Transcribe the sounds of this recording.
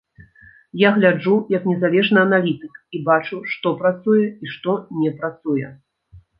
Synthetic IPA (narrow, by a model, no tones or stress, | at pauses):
jaɣlʲad͡ʐujɐknʲɛzalʲɛʐnɨɐnalʲit̪ɨkibat͡ʂuʂt̪ɔpɾat̪sujɛiʂt̪ɔnʲɛpɾat̪sujɛ̰